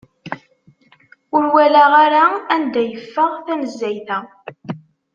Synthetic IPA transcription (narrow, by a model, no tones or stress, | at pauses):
ʊɾwælæʁaɾaænd̪æjəfːəʁθænəzːæjθæ